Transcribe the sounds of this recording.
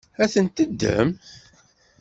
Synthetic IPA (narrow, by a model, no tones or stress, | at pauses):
æθənt̪əd̪ːə̰m